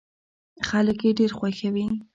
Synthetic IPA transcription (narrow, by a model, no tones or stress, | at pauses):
xaləkeɖeɾxwaxawi